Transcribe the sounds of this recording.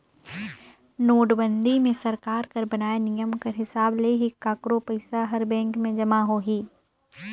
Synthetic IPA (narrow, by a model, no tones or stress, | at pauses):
noːɖbə̃nd̪ʱimẽsɐɾkaːɾkɐɾbɐnaːenijəmkɐɾɦɪsaːbleɦɪkːaːkɾopɐɪsaɦɐɾbɛ̃ːŋkmẽd͡ʒɐmaɦoːɦiː